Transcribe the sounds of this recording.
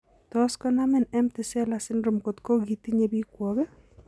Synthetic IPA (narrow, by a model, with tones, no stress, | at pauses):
tɔ˦skɔ˦na˦mɪ˦˨nɛ˦mtɪ˨sɛ˦la˨sɪ˦nɾo˨mko˨tko˦ɡi˨ti˦ɲe˦bi˦kwɔ˨ɡɛ˦